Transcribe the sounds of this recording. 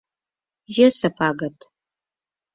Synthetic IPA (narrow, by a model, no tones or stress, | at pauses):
ʒɐsɐpʰʼaːɡɐtʰʼ